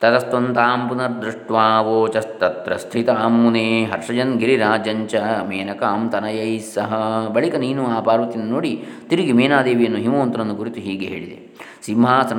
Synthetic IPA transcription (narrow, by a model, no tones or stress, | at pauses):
t̪ɐt̪ɐst̪ont̪aːmpunɐɾd̪ɾuʂʈʋaːʋoːt͡ʃɐst̪ɐt̪ɾɐst̪ʰit̪aːmːuneːɦɐɾʂɐd͡ʒɐnɡiɾiɾaːd͡ʒɐɲt͡ʃɐmeːnɐkaːmt̪ɐnɐjɐjsɐɦɐ̆bɐɭikɐniːnuaːpaːɾʋɐt̪inːɐnoːɽit̪iɾuɡimeːnaːd̪eːʋijɐnːuɦimoːnt̪ɐɾɐnːukuɾit̪uɦiːɡeɦḛːɭid̪ḛ | simɦaːsɐ